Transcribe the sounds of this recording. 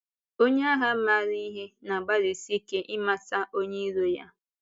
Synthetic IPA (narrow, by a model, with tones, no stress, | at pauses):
o˦ɲe˦a˦ɦa˦ma˦˨ɾi˦i˦ɦe˦na˨ɡ͡ba˦ɾi˨si˦ke˦ʔɪ˦ma˦sa˦ʔo˦ɲe˦ɾo˨ja̰˦